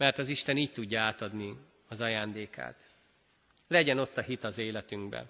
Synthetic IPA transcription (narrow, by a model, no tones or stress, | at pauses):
mɛrt̪ɒziʃt̪ɛniːc̚t̪uɟːɒaːt̪ɒd̪ni | ɒzɒjaːnd̪eːkʰa̰ːt̪ | lɛɟɛno̞t̪ːɒɦit̪ɒzeːlɛt̪yŋɡbɛ̰